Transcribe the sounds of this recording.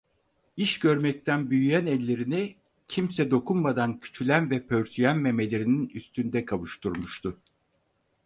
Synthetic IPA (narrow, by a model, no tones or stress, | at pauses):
iʃɟøɾmɛc̚t̪ʰænbyjyjænɛlʲːe̞ɾini | cʰimsɛd̪o̞kʰunmad̪ancʰy̥t͡ʃʰylʲænvɛpʰøɾsyjænmeme̞lʲe̞ɾininyst̪ʰynd̪ɛkʰaβuʃt̪ʰuɾmuʃt̪ʰʊ